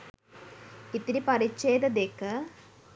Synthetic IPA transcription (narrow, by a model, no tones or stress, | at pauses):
it̪ːiɾipɐrit͡ɕːejðɐd̪eːkːɨ